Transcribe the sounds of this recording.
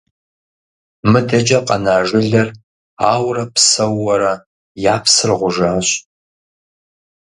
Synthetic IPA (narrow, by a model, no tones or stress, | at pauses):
mɨdɐd͡ʒɐqʼɐnaːʒɪɮɐr | aːwrɐpʰsɐwːɐɾɐ | jaːpʰsɨrʁʷʊʒaːɕ